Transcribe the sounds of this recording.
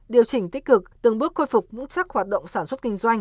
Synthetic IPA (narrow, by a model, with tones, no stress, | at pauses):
ɗi˨˩əwt͡ɕï˧˩ŋt̪i˦˥kɨ˨˩k̚t̪ɨ˨˩ŋɓɨ˦˥ək̚xo˧jfu˨˩k͡p̚mɨ̰˧˥ŋt͡ɕa˦˥k̚hwaː˨˩t̚ɗə̰˧˨ŋ͡msaː˧˩nswt̚ki˧ŋ̟zwa˧jŋ̟